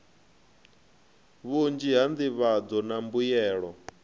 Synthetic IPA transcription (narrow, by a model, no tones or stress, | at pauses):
βund͡ʒiɦand̪iβad͡zɔnambujɛːɺɔ